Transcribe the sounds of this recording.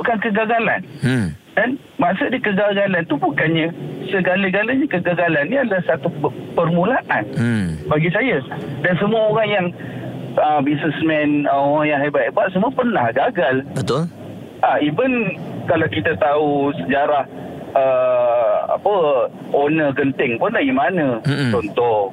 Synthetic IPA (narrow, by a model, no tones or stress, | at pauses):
kankəɡaɡala̰ndan | masʊʔdikəɡaɡalant̪ubukanɲə̃səɡaləɡaləɲakəɡaɡalanːiadəlahsat̪upərmũlaʔanbaɡisajadansəmuaoɾaŋjaŋ | əbisəsmɛ̃noɣaŋjaŋɦebat̪̚ebat̪̚səmuapərnahɡaɡalbət̪ʊl | ʔaibənkalawkit̪at̪ausəd͡ʒaɾah | ə | a̰pə | onəɡənt̪ɪŋpʊnlaɡimanə̃t͡ʃɔnt̪ɔ